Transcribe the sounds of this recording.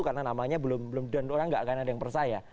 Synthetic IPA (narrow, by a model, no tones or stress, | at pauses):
ukarnanamaɲabəlʊmbəlʊmdanoɾaŋɡaʔkanadajaŋpərsaja